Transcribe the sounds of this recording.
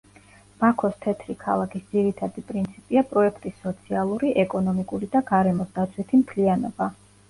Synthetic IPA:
b̥akʰɔst̪ʰɛt̪ʰɾikʰa̰lˠakʰisd̪ziɾit̪ʰad̪ipʼɾint̪sʰipʼiapʼɾɔɛkʰt̪ʼisːɔt̪sʰialˠuɾiʔɛkʼɔnɔmikʼuɾid̪aɡaɾɛmɔsd̪at̪sʰwit̪ʰimt̪ʰlianɔba

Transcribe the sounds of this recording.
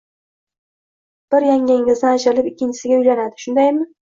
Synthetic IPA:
b̥ɪɾjaŋɪŋʲɪzd̪aaʃɾɪlɪpɪkʲʰːɪnt͡ʃʰɪsɪɡʲaʊjlanad̪ɪʃʊnd̪ajmɪ

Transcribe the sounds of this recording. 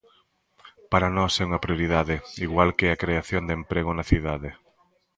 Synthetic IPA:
paɾanɔsɛuŋɐpɾijoɾiðaðɪiɣwalkeakɾeaθjond̪empɾeɣʊnɐθiðaðe

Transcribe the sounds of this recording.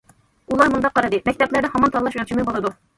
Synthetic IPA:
ulˠɑɾmund̪ɑqːɑɾɨd̪ɨmɛk̚ʲt̪ɛplæɾnɪɦɑmɑnt̪ʰɑlːˠɑʃmɛt͡ʃʰimɨbolˠɨd̪u

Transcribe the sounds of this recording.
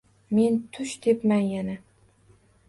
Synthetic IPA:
me̞nt̪ʰʊʃd̪epmanjana

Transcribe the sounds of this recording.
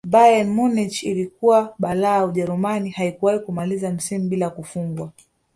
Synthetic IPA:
bajanmunit͡ʃilikuwaɓalaːauʄɛɾumanihaikuwahikumalizam̩simuɓilakufuŋɡwa

